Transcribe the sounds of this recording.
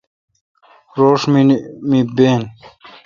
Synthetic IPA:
ɾoːʂmimibeːn

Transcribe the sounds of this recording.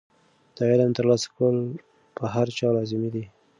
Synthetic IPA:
d̪̥əɪlamt̪əɾlɑsḁkəl | pəɦaɾt͡ʃɑlɑzɪmid̪i

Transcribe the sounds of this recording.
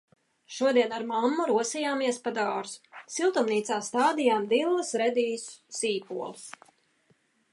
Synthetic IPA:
ʃuɔd̪iɛnaɾmamːuɾuɔsijaːmiɛspad̪aːɾssilˠt̪umniːt̪saːst̪aːd̪ijaːmd̪ilˠːəsɾɛd̪iːssiːpuɔlˠs

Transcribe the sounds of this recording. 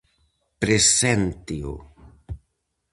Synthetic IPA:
pɾesɛnt̪io̰

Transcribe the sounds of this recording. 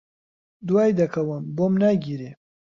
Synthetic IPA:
d̪wajd̪ɐkɐwəmbomnaɡiɾe

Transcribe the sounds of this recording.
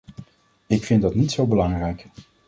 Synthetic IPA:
ɪkfɪndɑtnitsowbəlɑŋrɛjk

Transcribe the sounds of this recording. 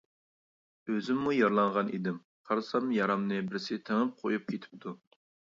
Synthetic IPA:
øzɪmːujɑɾlˠɑɴʁɑnḭd̪ɪm | qʰɑɾsɑmjɑɾɑmnɨbɪɾsɪt̪ʰeŋɪm̚qʰojup̚kʲet̪ʰɪ̥p̚t̪ʰu

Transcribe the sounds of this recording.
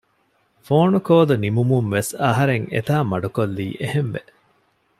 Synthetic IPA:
foːnukoːd̪unimumumʋesɐɦɐɾeŋḛt̪aːmɐɖukolːḭːʔehemʋe

